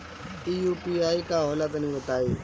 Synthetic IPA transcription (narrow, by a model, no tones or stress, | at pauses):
iːjuːpiːaːikaːɦɔːlat̪nĩːʋət̪aːiː